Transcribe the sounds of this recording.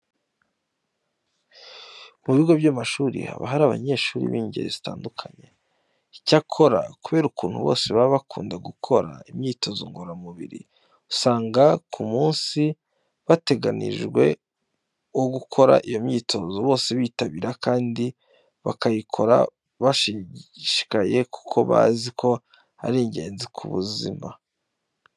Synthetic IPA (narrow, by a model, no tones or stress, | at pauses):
muβiɡo̞bjamaʃuːɾḭha̰βa̰ɦaɾaːβa̰ɲe̞ːʃuːɾḭβiːɲɟe̞̰ɾḛzitaːndukʰaɲe̞̰ | icakʰo̞ɾa̰kuβe̞ːɾukuːn̥hṵβo̞̰se̞βaɾiβakʰuːndaɡukʰo̞ɾa̰imɲiːto̞zo̰ŋɡo̞ɾamuβḭɾḭ | usaːŋɡakʰumuːnsi | βate̞ɡanḭʒɡwe̞ | oɡukʰo̞ɾa̰ʔijo̞mɲiːtʰo̞zoβo̞ːse̞βiːtaβiːɾakaːndi | βakajikʰo̞ɾa̰ | βaʃiʃi̥kaje̞ku̥kʰo̞βa̰zikʰo̞ | a̰ɾeːɲɟe̞ːnzikʰṵβṵzḭma